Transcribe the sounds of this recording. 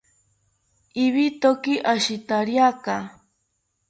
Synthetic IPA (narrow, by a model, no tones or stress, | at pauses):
iβit̪okiʔaʃit̪aɾjaka